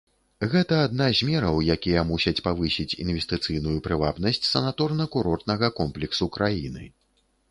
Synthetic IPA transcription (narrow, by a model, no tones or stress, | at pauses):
ɣɛt̪ɐːd̪̚nazʲmʲɛɾɐwjakʲijɐmusʲɐt͡sʲpavɨsʲit͡sʲḭnvʲɛst̪ɨt̪sɨjnujupɾɨvabnɐsʲt͡sʲsɐnat̪ɔrnɐkuɾɔrt̪̚nɐɣɐkɔmplʲɛksukɾʔajinɨ̰